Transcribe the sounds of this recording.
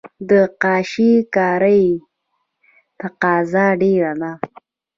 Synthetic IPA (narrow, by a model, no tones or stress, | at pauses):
d̪əqɑːʃikɑɾəj | t̪aqɑːzɑɖeɾana